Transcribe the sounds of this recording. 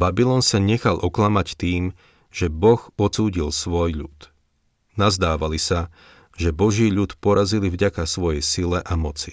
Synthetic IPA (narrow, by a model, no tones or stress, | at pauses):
babilɔnsaɲɛxalʔɔklamact̪iːm | ʒɛbɔɣɔt͡suːɟilsʋɔjʎut̪ | nazd̪aːʋalisa | ʒɛbɔʒiːʎut̪pɔɾazilivɟakasʋɔjɛjsilɛʔamɔt͡si̥